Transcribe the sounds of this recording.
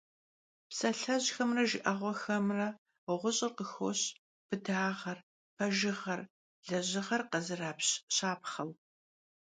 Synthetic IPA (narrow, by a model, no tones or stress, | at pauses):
psɐɬɐʑxɐmrɐʒɪʔɐʁʷɔxɐmrɐ | ʁʷʊɕʼɪrqəxoɕ | b̥ɨdaːʁɐr | pʰɐʒɪʁɐr | ɮɐʑɪʁɐrqɐzɨraːpɕɕaːpχɐw